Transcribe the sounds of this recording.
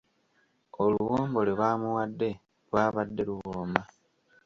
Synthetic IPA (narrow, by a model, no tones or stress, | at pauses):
oluɣoːmbo̞lelwaːmuwadːe̞ | lwaːβadːe̞luɣoːmba